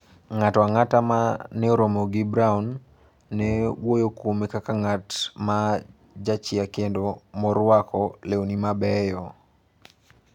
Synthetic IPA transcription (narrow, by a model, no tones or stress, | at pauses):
ŋatwaŋatamanɛoɾomɔɡibɾaunː | ɛwojokwomekakaŋatma | d͡ʒat͡ʃɪakendomɔɾwakɔleonimabɛjɔ